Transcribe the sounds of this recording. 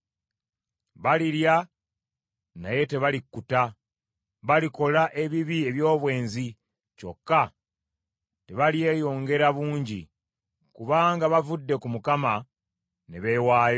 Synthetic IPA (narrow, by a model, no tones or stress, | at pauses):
βaliɾja | na̰je̞te̞βalikːuta | βaliko̞laʔe̞βiβie̞βjo̞ːβwe̞ːnzi | co̞̰kːa | te̞βalje̞ːjo̞ːŋɡe̞ɾaβuːɲɟḭ | kuβaːŋɡaβavudːe̞kumukama | neβewaːjo